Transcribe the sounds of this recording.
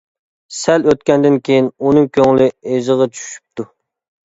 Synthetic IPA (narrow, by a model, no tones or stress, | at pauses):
sɛløt̪̚kʲɛnd̪ɪnkʲʰejinunɨŋkʲʰøŋlɪezɨʁɑt͡ʃʰy̥ʃy̥p̚t̪ʰu